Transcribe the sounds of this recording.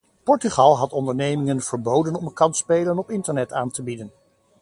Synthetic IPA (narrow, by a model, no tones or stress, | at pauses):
pɔɹtyχɑlˠɦɑtɔndəɹnejmɪŋənv̥əɹbowdənɔməkɑnspejlənɔpɪntəɹnɛtaːntəbidən